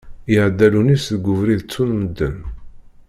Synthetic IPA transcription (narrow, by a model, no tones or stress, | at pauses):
ɪʕd̪ːælunisðɡʊvɾiðt͡sːunməd̪ːə̰n